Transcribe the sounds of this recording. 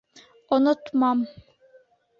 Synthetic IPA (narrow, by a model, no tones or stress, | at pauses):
ɔnut̪mɑm